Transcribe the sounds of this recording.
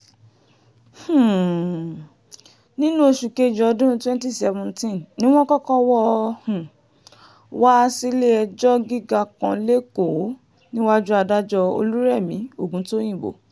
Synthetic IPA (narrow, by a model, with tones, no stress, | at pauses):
h̩˨ | nĩ˦nũ˦e˧ʃu˨ke˦˨d͡ʒɔ˧dũ˦twɛ̃˦nti˦˨sɛ˧vũ˧ntĩ˦nnĩ˦w̃ɔ̃˦kɔ˦kɔ˦wɔ˦hũ˨ | wa˦˧˦si˦le˦ɛ˧d͡ʒɔ˦ɡi˦ɡa˧kã˧˦le˦ko˨˦ | nĩ˦wa˦d͡ʒu˦a˧da˦d͡ʒɔ˧o̰˧lu˦ɾɛ˦˨mĩ˨˦o˦˨ɡũ˨˦to˦j̃ĩ˦˨bo̰˨